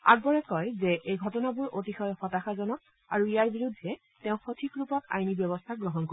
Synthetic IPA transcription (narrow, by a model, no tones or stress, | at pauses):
a̰ɡ̚bɔɹɛkɔjzɛʔejɡʱɔtɔnabuɹʔotixɔjxɔtaxazɔnɔk | a̰ɹuijaɹbiɹudʱːɛ | tɛʊ̃xotʰikɹupɔta̰jnibjɔbɔstʰaɡɹɔɦɔnko